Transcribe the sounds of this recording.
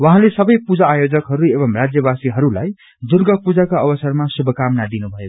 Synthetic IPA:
wʌɦãlesʌbʌjpud͡zaːjod͡zʌkɦʌɾuebʌmrad͡zjʌbasiɦʌɾulaj | d͡zurɡʌpud͡zakaʌbʌsʌrmasubʱʌkamnad̪inubʱʌjo

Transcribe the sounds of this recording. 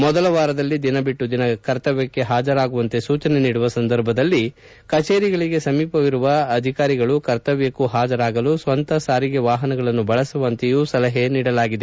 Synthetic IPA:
mɔd̪ɐlɐʋaːɾɐd̪ɐlːid̪inɐbiʈːud̪inɐkɐɾt̪ɐʋjɐkːe̞ɦaːd͡ʒɐɾaːɡuʋɐnt̪e̞suːt͡ʃɐne̞niːɽuʋɐsɐnd̪ɐɾbʱɐd̪ɐlːi | kɐt͡ʃeːɾiɡɐɭiɡe̞sɐmiːpɐʋiɾuʋɐːd̪ʱikaːɾiɡɐɭukɐɾt̪ɐʋjɐkuɦaːd͡ʒɐɾaːɡɐlusʋɐnt̪ɐsaːɾiɡe̞ʋaːɦɐnɐɡɐɭɐnːubɐɭɐsuʋɐnt̪ejusɐlɐɦe̞niːɽɐlaːɡid̪e

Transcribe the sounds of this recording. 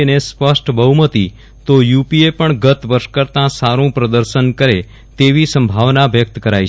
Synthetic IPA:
enespəʃʈʰbəɦumət̪i | t̪ojupiepəɳɡət̪ʋəɾʃkəɾt̪ãsaɾũpɾəd̪əɾʃənkəɾe | t̪eʋisəmbʱaʋnaʋjək̚t̪kəɾaj

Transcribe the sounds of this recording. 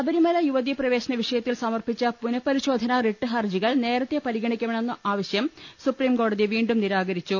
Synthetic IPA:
ɐbɐɾimɐlɐjuʋɐðijɐprɐʋe̞ːɕɐnɐʋiʂɐjɐt̪ːilsɐmɐrpit͡ɕːɐpunɐpɐɾiɕo̞ːd̪ʱɐnɐreʈːɨɦɐrd͡ʑiɣɐɭne̞ːɾɐt̪ːepɐɾiɣɐɳikʲːɐʋeɳenːɐʔaːʋɐɕjɐmsupriːmko̞ːɽɐðiʋiːɳɖumniɾaːɣɐɾit͡ɕːu

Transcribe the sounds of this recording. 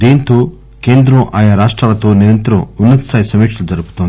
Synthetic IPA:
d̪eːnt̪oː | keːnd̪ɾɐmʔaːjaːɾaːʂʈɾaːlɐt̪oːniɾɐnt̪ɐɾɐmunːɐt̪ɐ̥saːjsɐmiːkʂɐld͡ʒɐɾupu̥t̪oːni

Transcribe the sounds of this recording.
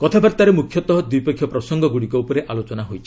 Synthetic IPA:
kɔt̪ʰabaɾt̪aɾemukʰjɔt̪ɔɦɔd̪ipekʰːjɔpɾɔsɔŋɡɔɡuɽikɔupɔɾeʔalot͡ʃɔnaɦojt͡ʃʰi̥

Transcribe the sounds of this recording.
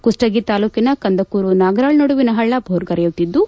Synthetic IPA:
kusʈɐɡit̪aːluːkinɐkɐnd̪ɐkuːɾunaːɡɐɾaːɭnɐɽuʋinɐɦɐɭːɐbʱoːɾɡɐɾɐjut̪id̪ːu

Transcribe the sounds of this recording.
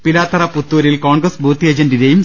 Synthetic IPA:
pilaːt̪ːɐɾɐput̪ːuːɾilkoːɳɡrɐsbʱuːt̪ːied͡ʑɐnɖiɾejum

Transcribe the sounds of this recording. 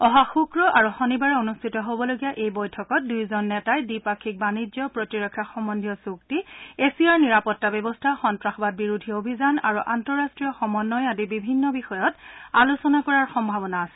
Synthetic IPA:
ɔɦaxukɹɔʔaɹuxɔnibaɹɛonustʰitɔɦobɔloɡijaʔejbɔjtʰɔkɔt̚dujzɔnːɛtajdipakʰik̚banid͡ʒɔpɹotiɹɔkʰːjaxɔmɔndʱijɔsuk̚tiesiaɹniɹapɔtːabɔbɔstʰaxɔntɹaxɔbat̚biɹudʱiobʱizana̰ɹuʔantɔɹastɹijɔxɔmɔnːɔjadibibʱinːɔbixɔjɔtalusɔnakɔɹaɹxɔmbʱabɔnaːsɛ̥

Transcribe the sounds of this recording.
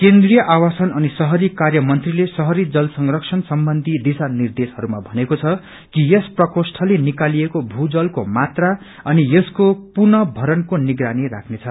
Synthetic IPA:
kend̪rijʌʔawasʌnʌnisʌɦʌɾikarjʌmʌnt̪rilesʌɦʌɾid͡zʌlsʌŋrʌksʰʌnsʌmbʌnd̪ʱid̪isanird̪esɦʌɾumabʱʌnekot͡sʰʌ | kijʌsprʌkosʈʰʌlenikaliekobʱud͡zʌlkomat̪ra | ʌnijʌskopurnʌbʱʌɾʌnkoniɡɾanirakʰnet͡sʰʌ

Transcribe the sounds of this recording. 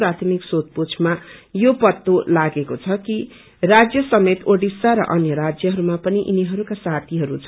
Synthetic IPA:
prat̪ʰmiksot̪̚put͡sʰmajopʌt̪ːolaɡekot͡sʰʌki | rad͡zjʌsʌmet̪oɽɖisaɾʌ̰ʔʌnjʌɾad͡zjʌɦʌɾumapʌniʔiniɦʌɾukasat̪ʰiɦʌɾut͡sʰ

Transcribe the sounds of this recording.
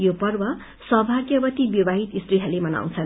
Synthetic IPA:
jopʌrbʌ | sʌɦbʱaɡjʌbʌt̪ibjʌbaɦit̪ist̪riɦʌlemʌna̰w̃t͡sʰʌn

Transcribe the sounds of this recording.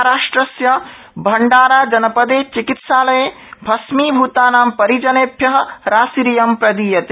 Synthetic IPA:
ɾaːʂʈɾɐsjɐ | bʱɐɳɖaːɾaːd͡ʒɐnɐpɐd̪eːt͡ʃikit̪ʃaːlɐjeː | bʱɐsmiːbʱut̪aːnaːmpɐɾid͡ʒɐneːpjɐɦɐ̆ɾaːsiɾijɐmpɾɐd̪iːjɐt̪eː

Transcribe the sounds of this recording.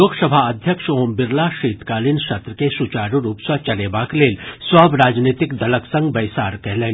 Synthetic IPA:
oːɡsəbʱaɐd̪ʱjəkʃoːmbɪɾlaʃiːt̪kaːlinʃɐt̪ɾəkesut͡ʃaːɾuɾuːpsət͡ʃɐleːbakleːlswɐbɾaːd͡ʒniːt̪ɪkd̪ɐləksɐ̃ŋɡbɐjsaːɾkɛɦleːn

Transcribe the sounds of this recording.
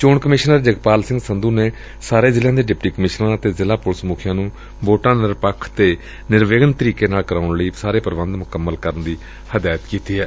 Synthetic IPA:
t͡ʃoːɳkəmɪʃnəɾd͡ʒəɡpaːlsɪ̃ŋɡsənd̪uːneː | saːɾeːzɪljãːd̪eːɖɪpʈiːkəmɪʃnãːət̪eːzɪlaːpʊlsəmuːkʰɪjãːnũː | boːʈãːnɪɾpəkʰːt̪eː | nɪɾʋeːɡənt̪əɾiːkeːnaːlkəɾaːʊɳləiːsaːɾeːpəɾʋə̃nd̪mʊkəmːəlkəɾənd̪iː | həd̪aːjət̪kiːt̪iːɦɛː

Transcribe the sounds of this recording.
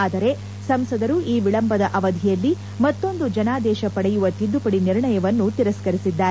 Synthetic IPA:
aːd̪ɐɾe̞ | sɐmsɐd̪ɐɾuʔiːʋiɭɐmbɐd̪ɐʔɐʋɐd̪ʱijɐlːi | mɐt̪ːo̞nd̪ud͡ʒɐnaːd̪ɛːʃɐpɐɽɛjuʋɐt̪id̪ːupɐɽiniɾɳɐjɐʋɐnːut̪iɾɐskɐɾisid̪ːaːɾe

